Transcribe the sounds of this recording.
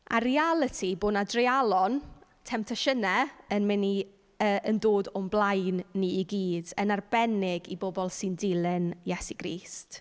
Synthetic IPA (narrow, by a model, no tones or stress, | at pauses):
a̰ɾialˠətʰiboːnadrɪalˠɔn | tʰɛmtʰaʃənɛənmɪni | əəndoːdɔmblˠajnːiːɡiːdənarbɛnɪɡibobɔlˠsɪndɪlˠɪnjɛsiɡ̥rḭːst